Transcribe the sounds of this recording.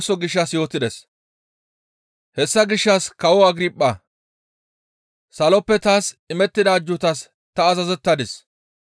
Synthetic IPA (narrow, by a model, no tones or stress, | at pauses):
sɔɡɪʃːɐsjo̞ːt̪ɪd̪ɛs | hɛsːɐɡɪʃːɐskɐwɔɐɡɾipʼːɐ | sɐlɔpːɛt̪aːsɪmɛt̪ːɪd̪aːd͡ʒːʊt̪ɐs | t̪ɐːzɐzɛt̪ːɐd̪ɪs